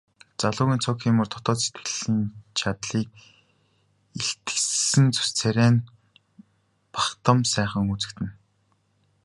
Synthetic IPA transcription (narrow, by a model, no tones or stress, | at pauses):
t͡saɮʊːɣʲiːnt͡sʰɔːkiːmə̆rt̪ʰɔt̪ɔːse̥t̪ɡɘ̆ɮ̥iːnt͡ɕʰat̪ɮiːk̚ | eɬt̪̆sɘ̆nt͡su̥st͡sʰæɾʲæːn | paχt̪ə̆msæːχə̆ŋut͡sɘ̆kt̪ʰɘ̆n